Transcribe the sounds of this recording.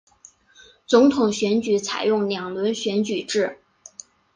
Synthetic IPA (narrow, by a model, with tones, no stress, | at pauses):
t͡sʊ˧˥ŋt̪ʰʊ˨˩ŋɕɥɛ˧˥nt͡ɕy˨˥t͡sʰa̰˨˩ɪjʊ˥˩ŋljɑ˨˩ŋlwə˧˥nɕɥɛ˧˥nt͡ɕy˨˩ʈ͡ʂɻ̩˥˩